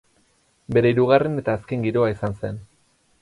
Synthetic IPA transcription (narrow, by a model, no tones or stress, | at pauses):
be̞ɾe̞iɾuɣ̞are̞ne̞t̪aːske̞ŋɡiɾo̞aisanse̞̰n